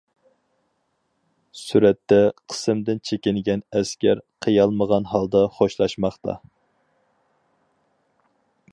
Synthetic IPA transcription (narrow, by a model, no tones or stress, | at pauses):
syɾɛt̪ːɛqʰə̥sɨmd̪ɪnt͡ʃʰekʲɪnɡʲɛnɛskʲæɾqʰəjɑlˠməʁɑnɦɑlˠd̪ɑχoʃlˠɑʃmɑχt̪ʰɑ̰